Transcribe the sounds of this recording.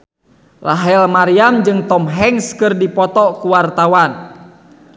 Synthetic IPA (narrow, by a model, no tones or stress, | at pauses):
laɦɛlmaɾiamd͡ʒɨŋt̪ɔmɦɛŋskɨrdipɔt̪ɔkuwart̪awan